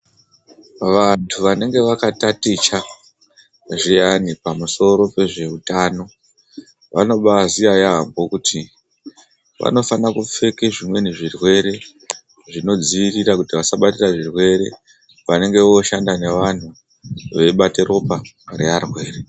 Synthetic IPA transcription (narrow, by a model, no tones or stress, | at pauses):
ʋantʰuʋane̞ŋɡe̞ʋakatatit͡ʃa | ʐijanipamuso̞ɾo̞pe̞ʐe̞utaːno̞ | ʋa̰no̞ɓaziajambo̞kuti | ʋa̰no̞fanakufe̞keʐimwe̞niʐirwe̞ɾe̞ | ʐino̞d͡ziirirakutiʋasaɓatiraʐirwe̞ɾe̞̰ | ʋane̞ŋɡe̞ʋo̞ʃandane̞ʋan̤u | ʋe̞ɓaterʔo̞pa | ɾearwe̞ːre